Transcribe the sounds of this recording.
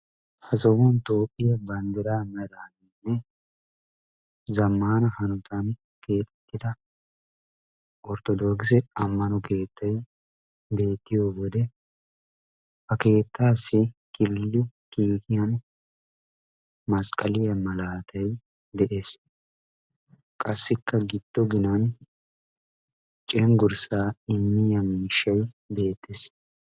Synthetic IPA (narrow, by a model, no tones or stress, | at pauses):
hɐsɔbɔnt̪oːpʼːɪjɐbɐnd̪ɪɾaːmɛɾɐnɪnːɛ | zɐmːaːnɐhɐnɔt̪ɐn | kʰe̞ːt̪ʼɛt̪ːɪd̪ɐ | ʔɔɾt̪ɔd̪oːkɪs̬ɛɐmːɐnɔke̞ːt̪ːɐj | be̞ːt̪ːɪjoːwɔd̪ɛ | fɐke̞ːt̪ːaːsːɪkɪlːʊ | kiːkɪjɐn | mɐskʼɐlɪjɐmɐlaːt̪ʰɐj | d̪ɛʔe̞ːs | kʼɐsːɪkːɐɡɪd̪̥ːɔɡɪnɐn | t͡ʃʼɛŋɡʊɾsaːɪmːɪjɐmiːʃːɐj | be̞ːt̪ʰːɪs